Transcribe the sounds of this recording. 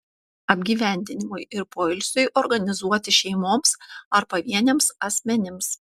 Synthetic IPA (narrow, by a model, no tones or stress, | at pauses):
ɐbʲɡʲiːʋʲɛˑnʲd̪ʲɪnʲɪmʊjɪɾpoːɪlʲsʲʊjʔɔɾɡɐnʲɪzuɔt̪ʲɪʃʲɛɪmoːmsɐɾpɐʋʲiɛnʲemsɐsʲmʲɛnʲɪms